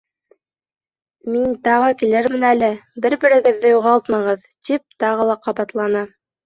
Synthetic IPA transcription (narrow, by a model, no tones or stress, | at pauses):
mint̪ɑʁɤkilɘɾmɘ̆nælɘbɘɾbɘ̆ɾɘ̆ɡɘ̆ðːɘjuʁɑlˠt̪mɑʁɤð | t̪ip̚t̪ɑʁɤlˠɑqɑβɑt̪lˠɑnɤ